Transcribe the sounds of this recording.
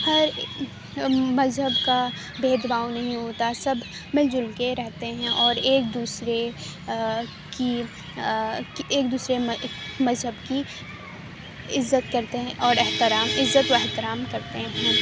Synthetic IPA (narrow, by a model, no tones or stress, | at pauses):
hɐɾ | mɐzɦəbka | beːd̪baːwnɐɦĩɦoːt̪asɐbʱ | mɪld͡ʒʊlkeɾɛɦt̪eɦɛ̃ʔɔːɾeːk̚d̪uːsɾe | ki | keːk̚d̪uːsɾemɐzɦəbki | ɪzːət̪kɐɾt̪eɦɛ̃ʔɔːɾɛɦt̪ɪɾaːmɪzːət̪ʋoɛɦt̪ɪɾaːmkɐɾt̪eɦɛ̃